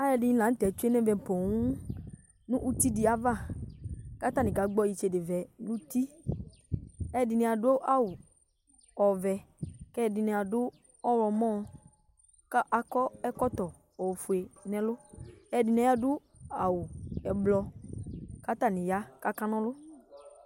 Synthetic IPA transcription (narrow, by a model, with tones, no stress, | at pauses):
a˦jɛ˨dɪ˨ɲĩ˦˨lã˨n̩˦t̪ɛ˨t͡ʃu˦e˦nɛ̃˦vɛ˨pɔ˨ŋũ˦ | nʊ̃˦ʔu˦t̪i˦dɪ˨˦a˦va˦˨ | ka˦t̪a˦˨nɪ̃˨ka˨ɡ͡bɔ˦ji˦˨t͡ʃe˨dɪ˨vɛ˨nũ˦t̪i˦ | ɛ˦dɪ˨nɛ̃˨a˨do˦ʔa˦˨wʊ˨ | ɔ˨vɛ˨kɛ˦dɪ˨nɛ̃˨a˨dʊ˦ | ɔ˦wɔ˨mɔ̃˦˨ | ka˦ʔa˨kɔ˦ɛ˦kɔ˦t̪ɔ˨ | ɔ˨fu˨e˨nɛ̃˨lʊ˦ɛ˦˨dɪ˨nɛ̃˨˦a˦dʊ˦ | a˨wʊ˨ɛ˨blɔ˧ | ka˦t̪a˦˨nɪ̃˨ja˦ka˦ka˦nɔ̃˦lʊ˦